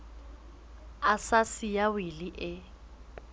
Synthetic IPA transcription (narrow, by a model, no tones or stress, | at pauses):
asasijawɪliʔɪ